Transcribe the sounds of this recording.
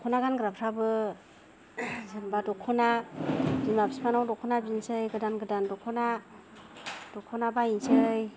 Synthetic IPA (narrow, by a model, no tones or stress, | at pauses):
ɔkʰɔnaɡanɡɾapʰɾabɯ | zɯŋbadɔkʰɔnabinmapʰsipanawdɔkʰɔnabinsɯjɡɯdanɡɯdandɔkʰɔna | d̥ɔkʰɔnabainsɯj